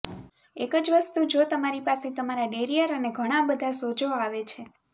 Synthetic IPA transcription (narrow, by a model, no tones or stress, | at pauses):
ekəd͡ʒʋəst̪ud͡ʒot̪əmaɾipaset̪əmaɾaɖeɾijəɾəneɡʱəɽ̃ãbəd̪ʱasod͡ʒoaʋet͡ʃʰe